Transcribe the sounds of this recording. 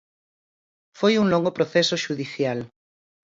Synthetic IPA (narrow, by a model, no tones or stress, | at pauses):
fojuŋlõŋɡopɾoθesoʃuðiθjal